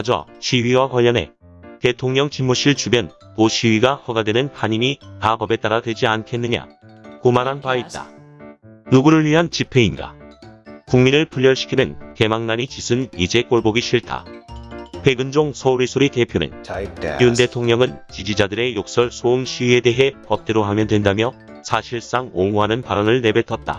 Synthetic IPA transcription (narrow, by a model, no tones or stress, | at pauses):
ad͡ʑʌ̰ɕʰiɥiwakwaʎːʌne̞̰ | te̞tʰoŋɲʌŋt͡ɕinmuɕʰiɭt͡ɕubjʌnpoɕʰiɥiɡahʌɡadwe̞nɯnhaɲimipapʌbe̞t͈aɾadwe̞d͡ʑiankʰe̞nːɯɲa̰ | komanɦanpait̚t͈a̰ | nuɡuɾɯɭɥiɦant͡ɕipʰe̞inɡa̰ | kuŋminɾɯɭpʰuʎːʌɭɕʰi̥kʰidenke̞maŋnaɲit͡ɕisʰɯnid͡ʑe̞k͈oɭboɡiɕʰiɭtʰa̰ | pʰe̞ɡɯnd͡ʑoŋsʰʌɾisʰoɾitepʰjonḛniunde̞tʰoŋɲʌŋɯnt͡ɕid͡ʑid͡ʑadɯɾe̞jok̚s͈ʌɭsʰoɯnɕʰie̞de̞ɦe̞pʌp̚t͈eɾoɦamjʌndwe̞ndamjʌ | sʰaɕʰiɭs͈aŋoŋuɦanɯnpaɾʌnɯɭne̞be̞tʰʌt̚t͈a̰